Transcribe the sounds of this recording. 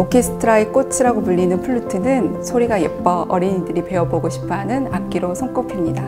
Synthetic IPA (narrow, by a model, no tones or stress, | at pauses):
okʰe̞sʰɯ̥tʰɯɾaek͈ot͡ɕʰɯɾaɡomɯʎːinɯnpʰuɭːutʰɯnɯnsʰoɾiɡajep̚p͈ʌʌ̰ɾiɲidɯɾipe̞ʌboɡoɕʰi̥pʰɦanɯnak͈̚iɾosʰʌŋk͈ʌpʰimɲida